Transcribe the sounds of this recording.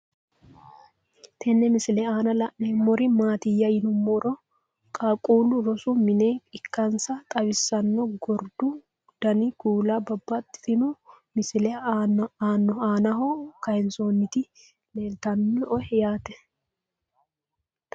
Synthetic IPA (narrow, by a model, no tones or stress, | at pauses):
t̪ʰɛnːɛmɪsɪlɛaːnɐlɐʔnemɔɾɪmaːt̪ɪjːɐjɪnʊmːɔɾɔ | kʼaːkʼuːlʊɾɔsʊmɪneːɪkːɐnsɐt̪ʼɐwɪsːɐnːɔɡɔɾd̪ʊ | d̪̥ɐnɪɡuːlɐbɐbːɐt̪ɪt̪ɪnʊmɪsɪlɛnaːnːɔaːnɐɦokɐjɛnsoːnːɪt̪ɪ | leːlt̪ɐnːɔʔɔhɛjaːt̪ɛ